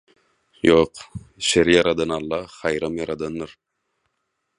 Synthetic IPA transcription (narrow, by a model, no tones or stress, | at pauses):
joqʃeɾijɑɾɑd̪ɑnɑlˠːɑχɑjɾɑmjɑɾɑd̪anːɯɾ